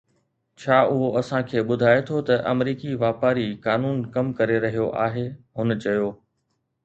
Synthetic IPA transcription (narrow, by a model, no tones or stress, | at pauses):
t͡ɕʰaːʊɦoɐsãkʰeːɓʊd̪ʱaːet̪ʰot̪ɐʔɐ̰mɾiːkiʋaːpaːɾikaːnuːnkɐmkɐɾeɾɐɦijoʔaːɦeːɦʊnt͡ɕɐjoː